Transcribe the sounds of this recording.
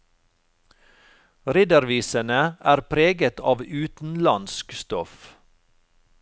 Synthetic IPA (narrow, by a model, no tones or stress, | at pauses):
ɾɪd̪əɾʋiːsənəæːɾpʰɾeːɡət̪ʰɑ̰ːʋʉːt̪n̩lɑnskst̪ɔf